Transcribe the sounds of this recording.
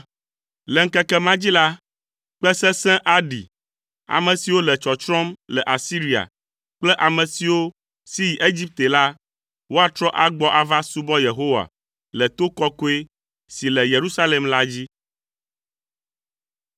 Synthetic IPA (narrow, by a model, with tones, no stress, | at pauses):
lɛ˨ŋ̩˦kɛ˦kɛ˦mã˦d͡ʑi˦la˦ | k͡pɛ˦sɛ̃˦sɛ̃˦ʔa˦ɖḭ˨ | a̰˨mɛ̃˨si˨wo˦lɛ˨t͡ʃɔ˨t͡ʃɾɔ̃˦mlɛ˨ʔa˨si˦ɾi˨a̰˨ | k͡plɛ˦ʔa˨mɛ̃˨si˨wo˦ | si˦ji˨ʔe˦d͡ʑi˦p̚t̪e˨la˦ | wo˦a˦t̪ɾɔ˦ʔa˦ɡ͡bɔ˦ʔa˨va˦su˦bɔ˦je˨ɦo˦wa̰˨ | lɛ˨t̪o˦kɔ˦ko˦e˦ | si˨lɛ˨je˨ɾu˦sa˦lɛ˨mla˦d͡ʑi˦